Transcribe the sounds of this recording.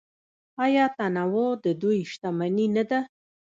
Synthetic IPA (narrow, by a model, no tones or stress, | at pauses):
ɑjɑt̪anawod̪əd̪ujʃt̪amaninad̪a